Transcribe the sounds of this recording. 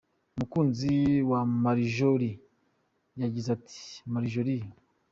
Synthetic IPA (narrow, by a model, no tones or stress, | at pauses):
umukuːnziwamaɾiʒoɾi | jaɟizatʰi̥maɾiʒoɾi